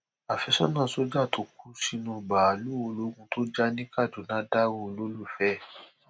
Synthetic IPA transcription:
a˨fɛ˧˦sɔ˦nã˦˨so˦d͡ʒa˦˨tʰo˧˦k̚u˦si˦nũ˧ba˨lu˦o˨˧lo˨˦kũ˦tʰo˦d͡ʒa˦nĩ˦ka˦˨d͡ʒo˨nã˨˦da˦wũ˦˧˨lo˦lu˦˨fɛ˦˨

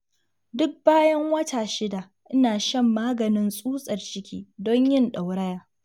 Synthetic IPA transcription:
dʊ˦k̚baː˦jɐ˦ŋwɐ˦taː˨ʃɪ˦da˨ | ʔɪ˦naː˨ʃɐ˦˨mːaː˦ɡɐ˨nɪ˦nsʼuː˦sʼɐ˨rt͡ʃɪ˦kʲʰḭː˦dɔ˦ɲjɪ˦nɗa˨wɽɐ˦jaː˨

